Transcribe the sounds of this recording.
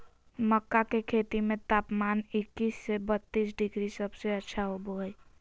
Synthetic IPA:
məkːakekʰet̪imet̪apmanikːisːebət̪ːisɖiɡɾisəbseətːʃʰaɦoboɦəj

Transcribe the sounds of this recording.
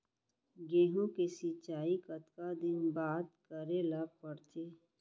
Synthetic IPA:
ɡeːɦõkesit͡ʃaːikət̪kad̪ɪnbaːt̪kəɾelɐɡ̚pəɽt͡ʃeː

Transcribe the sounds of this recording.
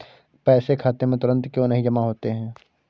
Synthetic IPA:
pɛːsekʰaːt̪emẽt̪ʊɾə̃nt̪kjõːnɐɦĩd͡ʒɐmaɦoːt̪eɦɛ̃ː

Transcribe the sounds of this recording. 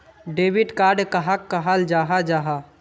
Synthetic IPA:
ɖeːbɪʈkaːɾɖkəɦakːəɦald͡ʒaːɦad͡ʒaːɦa

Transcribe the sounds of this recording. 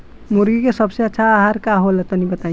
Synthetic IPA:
muɾɡikesəbseətːʃʰaːɦaɾkaɦolet̪ənibət̪aj̃

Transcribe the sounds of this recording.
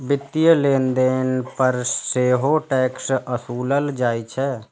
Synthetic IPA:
bɪt̪ːijəleːnd̪eːnpəɾseːɦoʈɛːksəsuːləld͡ʒaːit͡ʃʰɛ

